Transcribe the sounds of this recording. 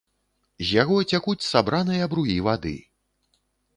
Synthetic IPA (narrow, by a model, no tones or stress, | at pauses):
zʲjaɣɔt͡sʲakut͡sʲsabɾʔanɨjɐbɾujivad̪ɨ̰